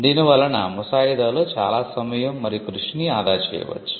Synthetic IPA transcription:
d̪inuʋɐlɐnɐ̰musaːjid̪ɐlut͡ʃa̰ːlaːsɐmɐjɐmːɐɾikɾuʂɳiaːd̪aːt͡ʃḛːʋɐ̰t͡ʃ

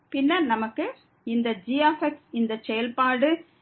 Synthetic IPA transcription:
pɪnːɐnɐmɐkːɯ | ɪnd̪ɐd͡ʒiaːfɛksɪnd̪ɐsɛjɐlpaːɽɯ

